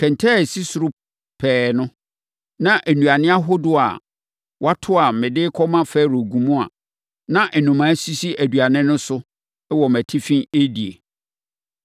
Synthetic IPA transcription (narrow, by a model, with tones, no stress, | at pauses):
kʰɛ̃˨n˨tʰɛ˦˨si˦sʊ˨ɾʊ˦ | pʰɛː˨nʊ̃˦ | nã˦ʔæ˨nũ˨a˨nɪ̃˦a˦ɦʊ˦dʊ˦a̰˨ | wʔa˦tʰʊ˦a˨mɪ̃˨dɪː˦kʰɔ˦mã˦fɛː˦˨ɾo˨ɡũ˨mũ˦a̰˨ | nã˦ʔɛ˨nũ˨mã˨˦si˦si˦ʔæ˨du˨a˨nɪ̃˦nʊ̃˦sʊ˦ | ɛ˦wɔ˨mæ˨tʰi˦fĩ˦e˦di˨ḛ˨